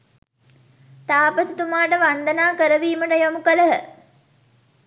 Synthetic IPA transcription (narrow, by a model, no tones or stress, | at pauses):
t̪aːpəsit̪umaːʈəʋand̪ənaːkəɾəʋiːməʈəjamukələɦə